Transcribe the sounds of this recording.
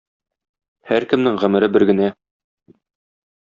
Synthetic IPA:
hæɾkɘ̆mnɘŋʁæ̆mɘ̆ɾɘbɘɾɡɘ̆næ

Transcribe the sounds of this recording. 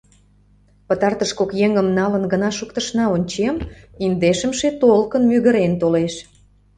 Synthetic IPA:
pət̪ɑrt̪əʃkokjeŋəmnɑlənɡənɑʃukt̪əʃnɑonʲt͡ɕemind̪eʃə̆mʃet̪olkənmyɣə̆ɾent̪oleʃ

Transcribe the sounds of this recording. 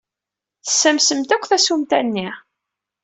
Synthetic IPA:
θə̥sːəmsəmt̪ækʷːθæsumt̪ænːi

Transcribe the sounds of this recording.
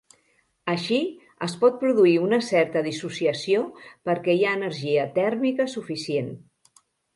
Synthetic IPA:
əʃi | əspɔt̪̚pɾuðuiunəsɛɾt̪əðisusiəsiopəɾkɛjaənəɾʒiət̪ɛrmikəsufisien

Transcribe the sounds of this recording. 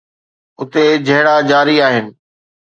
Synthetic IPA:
ʊt̪ed͡ʑʱɐɦɽad͡ʑaːɾiaːɦɪnɪ̆

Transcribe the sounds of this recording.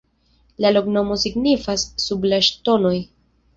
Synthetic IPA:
lalo̞kno̞mo̞siɡnifasːublaʃto̞no̞j

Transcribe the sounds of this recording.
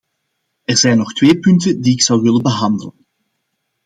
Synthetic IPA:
ɛrzɛjnːɔxtʋeːpʏntəndiɪksɑwʋɪlənbəɦɑndələn

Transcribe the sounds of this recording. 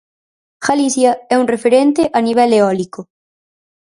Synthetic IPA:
xaliθjɐɛuŋrefeɾent̪eʔaniβ̞ɛleɔliko

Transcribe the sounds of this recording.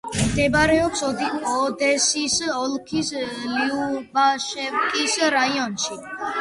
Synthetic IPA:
md̪ɛbaɾɛɔpsɔd̪ɔd̪ɛsisɔlkʰisliubaʃɛvkʼisɾaiɔnʃi

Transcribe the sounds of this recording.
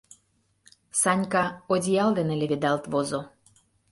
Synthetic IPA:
sɑnʲkɑodʲijɑld̪eneleβed̪ɑlt̪βozo

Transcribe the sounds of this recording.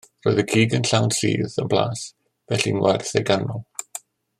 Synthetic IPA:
rɔjðəɡʰiːɡənɬawnsḭːðənbla̰ːs | v̥ɛɬinwɛrθɛɡanɔlˠ

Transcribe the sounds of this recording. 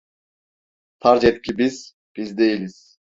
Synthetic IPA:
t̪ʰɑɾd͡ʒet̪̚kʰʲibiz̥ | b̥izd̪e̞jilʲiz̥

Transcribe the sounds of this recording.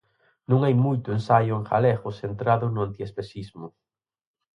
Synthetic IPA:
nũŋajmujt̪ʊensajʊeŋxa̰lɛɣʊsent̪ɾaðʊnʊant̪iespesizmʊ

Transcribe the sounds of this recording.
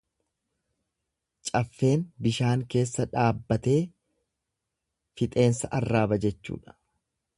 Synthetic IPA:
t͡ʃʼɐfːe̞ːnbɪʃaːŋke̞ːsːɐᶑaːbːɐt̪e̞ː | fɪt̪ʼe̞ːnsɐʔɐrːaːbɐd͡ʒɛt͡ʃːṵːᶑɐ̥

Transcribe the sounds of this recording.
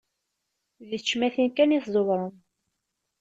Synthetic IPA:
ðət͡ʃːmæθinkæniθzˤovɾˤəm

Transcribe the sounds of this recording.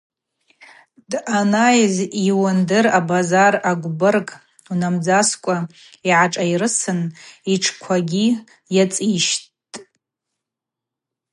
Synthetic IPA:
danajziwandɨrabazaraɡʷbɨrkʼ | unamd͡zaskʷʼa | iʕaʈ͡ʂʼairɨsɨniʈ͡ʂʰkʷʰaɡʲi | jat͡sʼiʃt | tʼ

